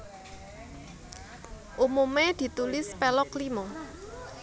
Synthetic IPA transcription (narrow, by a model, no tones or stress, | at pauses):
ʔumumed̪̥i̤t̪ulɪspelɔklimɔ